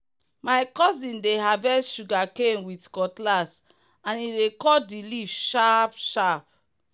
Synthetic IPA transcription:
majkɔzĩndeɦavɛsʃuɡakenwitkɔtlas | ãnidekɔdilivʃapʃap̚

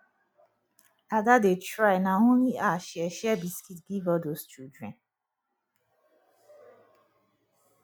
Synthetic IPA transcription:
aɡadetɹaɪnaõnliʔaʃɛʃɛbiskitɡivɔdost͡ʃudɹɛ̰̃n

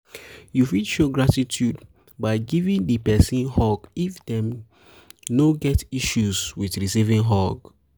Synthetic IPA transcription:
jufidʃoɡɹatitʰud | baɪɡivĩŋdəpɛsĩnhɔɡifdɛ̃m | noɡɛtiʃuswiθɹisivĩŋɦɔɡ

